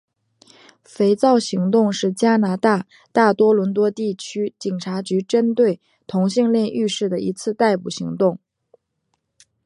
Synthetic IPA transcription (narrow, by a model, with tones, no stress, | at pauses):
fe˧˥ɪt͡sɑ˥˩ʊɕi˧˥ŋt̪ʊ˥˧ŋʂɻ̩˥˩t͡ɕja˥na˧˥t̪a˥˩ | t̪a˥˩t̪wɔ˥lwə˧˥nt̪wɔ˥t̪i˥˩t͡ɕʰy˥t͡ɕi˨˩ŋʈ͡ʂʰa˧˥t͡ɕy˧˥ʈ͡ʂə˥nt̪we˥˩ɪ | t̪ʰʊ˧˥ŋɕi˥˧ŋljɛ˥˧nʔy˥˧ʂɻ̩˥˩d̪ə˩ʔḭ˧˥t͡sʰɹ̩˥˧t̪a˥˩ɪpu˨˩ɕi˧˥ŋt̪ʊ˥˩ŋ